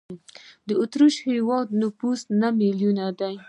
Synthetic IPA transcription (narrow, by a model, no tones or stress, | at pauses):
d̪əʊt̪ɾuʃhewɑd̪̚nʊfust̪namiljunad̪aj